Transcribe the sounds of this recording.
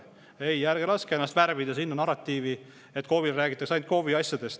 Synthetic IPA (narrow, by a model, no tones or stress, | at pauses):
ejːæɾɡ̥eɾɑskeenːɑst̪værvid̪ɑsinːɑnɑɾɑt̪ːiːvi | e̞t̪̚ːˑko̞vilræːɡ̥it̪ːˑɑksɑjnt̪ko̞viɑsjɑd̪e̞st̪